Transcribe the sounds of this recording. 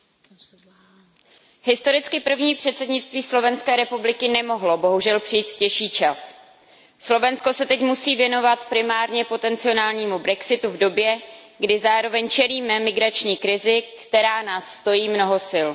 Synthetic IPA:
ɦɪst̪o̞ɾɪt͡skɪpr̩vɲiːpr̥ɛt̪sɛdɲɪtt͡st̪viːslo̞vɛnskɛːɾɛpublɪkɪnɛmo̞ɦlobo̞ɦuʒɛlpr̥ɪjiːt̪fcɛʃiːt͡ʃas | slo̞vɛnsko̞sɛt̪ɛcmusiːvjɛno̞vat̪pɾɪmaːɾɲɛpo̞t̪ɛnt͡sɪo̞naːlɲiːmubɾɛksɪt̪uvdo̞bjɛ | ɡdɪzaːɾo̞vɛɲt͡ʃɛliːmɛmɪɡɾat͡ʃɲiːkɾɪzɪkt̪ɛɾaːnaːsːt̪o̞jiːmno̞ɦosɪl

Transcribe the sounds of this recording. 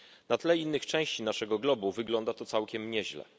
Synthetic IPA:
nat̪lɛinːɘxt͡ʂɛ̃w̃ɕt͡ɕinaʂɛɡɔɡlɔbuvɘɡlɔnd̪at̪ɔt̪sawkʲɛmɲɛʑlɛ̰

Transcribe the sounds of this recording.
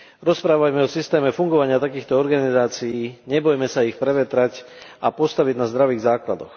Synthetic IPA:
ɾɔspɾaːʋajmɛɔsist̪ɛːmɛfuŋɡɔʋaɲɪat̪akiːxt̪ɔɔɾɡanizaːt͡sijiːɲɛbɔjmɛsaixpɾɛʋɛt̪ɾac | apɔst̪aʋiɟnazd̪ɾaʋiːɣzaːkla̰d̪ɔ̰x

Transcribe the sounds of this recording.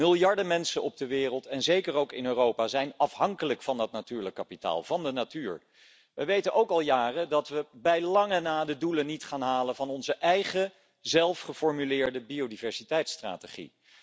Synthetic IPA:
mɪlˠjɑɹdəmɛnsənɔb̚dəʋɪːrəlˠtɛnzejkərowkɪnøːrowpaːzɛjnɑfɦɑŋkələkfɑnət̚natyːɹləkːapita̰ːlˠvɑndənatyːɹ | ʋəʋejtənʔowkɑlˠjaːrədɑtʋəbɛjlɑŋənaːdədulənːitχaːnɦaːlənvɑnɔnzəʔɛjχə | zɛlˠfχəfɔɹmylɪːɹdəbiodivɛɹsitɛjtstra̰ːteχḭ

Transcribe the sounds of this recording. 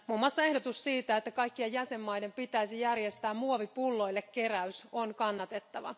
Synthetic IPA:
mumːwɑsːɑe̞hdot̪ussiːt̪æet̪ːækɑjkːiɑjjæse̞mːɑjde̞mpit̪æisijærje̞st̪æːmmuoʋipulːo̞ilːekke̞ræyso̞nkɑnːɑt̪e̞t̪ːɑʋɑ̰

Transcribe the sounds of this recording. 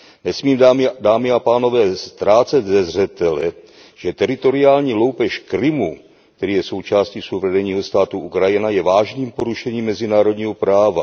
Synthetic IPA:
nɛsmiːmdaːmɪapaːno̞vɛːst̪ɾaːt͡sɛd̪zɛzr̝ɛt̪ɛlɛ̰ | ʒ̥ɛt̪ɛɾɪt̪o̞ɾɪaːlɲiːlo̞wpɛʃkɾɪmu | t̪ɛɾiːjɛso̞wt͡ʃaːsciːsowvɾɛdɛɲiːɦo̞st̪aːt̪uʔukɾajɪnajɛvaːʒniːmpo̞ɾuʃɛɲiːmːɛzɪnaːɾo̞dɲiːɦo̞pɾaːva

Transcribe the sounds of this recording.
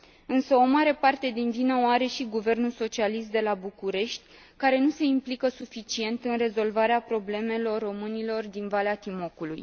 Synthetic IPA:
ɨnsəo̞maɾe̞part̪e̞d̪invinəoaɾe̞ʃiɡuve̞rnulso̞t͡ʃialis̬t̪̚d̪e̞labukuɾe̞ʃt̪ʲ | kaɾe̞nuse̞implikəsufit͡ʃie̞nt̪ɨnre̞zo̞lvaɾeapɾo̞ble̞me̞lo̞rːo̞mɨnilo̞rd̪invaleat̪imo̞kuluj

